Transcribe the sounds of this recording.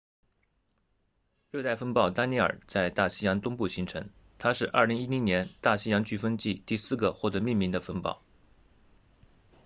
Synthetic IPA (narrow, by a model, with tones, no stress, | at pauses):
ɻɤ˥˧t̪a˥˩ɪfə˥npɑ˥˩ʊt̪a˥ni˥˩ə̰˞˨˩t͡sa˥˧ɪt̪a˥˩ɕi˥jɑ˧˥ŋt̪ʊ˥ŋpu˥˩ɕi˧˥ŋʈ͡ʂʰɤ˧˥ŋ | t̪ʰa˥ʂɻ̩˥˧ʔɐ˞˥˩li˧˥ŋi˥li˧˥njɛ˧˥nt̪a˥˩ɕi˥jɑ˧˥ŋt͡ɕy˥˩fə˥nt͡ɕi˥˧t̪i˥˧sɹ̩˥˩ɡə˩xwɔ˥˩t̪ɤ˧˥mi˥˩ŋmi˧˥nd̪ə˧fə˥npɑ̰˥˩ʊ